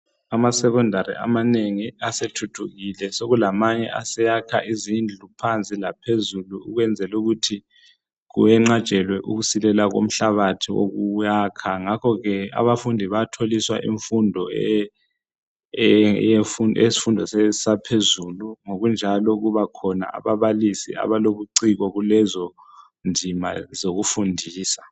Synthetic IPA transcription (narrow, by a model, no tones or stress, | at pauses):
amasɛk̬ɔndʱaɾḭʔa̰maneŋiasetʰutʰuɣilɛsoɣulamaɲɛʔa̰sɛjakʰa̰ʔizind͡ɮʱupʰant͡sʼilapʰezuluuɣwɛnd͡zʱɛluɣutʰi | ɣṵjɛŋ͡ǁḁt͡ʃʼɛlwɛʔuɣusilɛlaɣo̰m̩ɬaβatʰiwo̰ɣujaːkʰaŋakʰɔɣɛa̰βafundʱiβatʰoliswa̰ʔḭɱfundʱɔɛ | jefuɛ̰si̥fundʱɔssapʰezuluŋoɣund͡ʒʱalɔɣuβakʰɔna̰ʔa̰βaβalisḭa̰βaloβuǀiɣɔɣulɛzɔ | nd͡zʱima̰zoɣufundʱiːsḁ